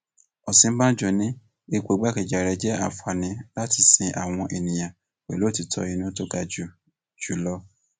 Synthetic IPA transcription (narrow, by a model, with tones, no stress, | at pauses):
ɔ˨sĩ˨˦m̩˦bã˦d͡ʒɔ˨nĩ˦ | e˦˧kʷo˨˦ɡ͡ba˦ke˨d͡ʒa˨ɾɛ˧˦d͡ʒɛ˦a̰˨fa˨nĩ˨˧˦la˦ti˧sĩ˧ʔa̰˨w̃ɔ̃˧ʔe˨nĩ˨j̃ã˨ | k͡pɛ̰˨lo˨˦˨ti˧˦tʰɔ̰˧˦i˧nũ˦to˦ɡa˨d͡ʒu˨ | d͡ʒu˨lɔ˦